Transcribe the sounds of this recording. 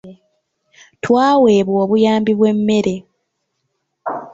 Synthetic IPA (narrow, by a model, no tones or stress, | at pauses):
twaːwe̞ːβwoːβujaːmbiβwe̞mːe̞ɾe̞